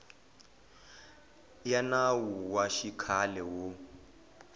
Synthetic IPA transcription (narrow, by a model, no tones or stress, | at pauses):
janawuwaʃikʰalɛwo